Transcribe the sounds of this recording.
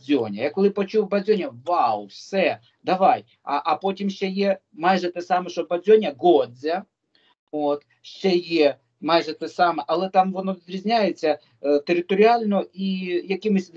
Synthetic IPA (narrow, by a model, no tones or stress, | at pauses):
zʲonʲɐjakɔlˠɪpɐt͡ʃubɐzʲonʲɐʋawfsɛ | d̪ɐʋaj | ɐʔɐpotʲimʃt͡ʃɛje | majʐɛt̪ɛsamɛʂɔbɐzʲonʲɐɡozʲɐ | ot̪ | ʃt͡ʃɛje | majʐɛt̪ɛsamɛʔɐlˠɛt̪amʋɔnɔzʲɾʲɪzʲnʲajɪt͡sʲːɐ | t̪eɾʲɪt̪ɔɾʲɪalʲnɔʔijɐkʲɪmʊsʲ